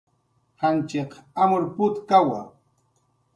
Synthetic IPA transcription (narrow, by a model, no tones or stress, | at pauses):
hant͡ʃeqamʊɾpʊt̪kawa